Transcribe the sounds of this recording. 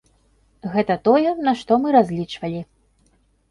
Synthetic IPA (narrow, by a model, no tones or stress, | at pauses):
ɣɛt̪ɐt̪ɔjɛnaʂt̪ɔmɨɾazʲlʲit͡ʂvɐlʲi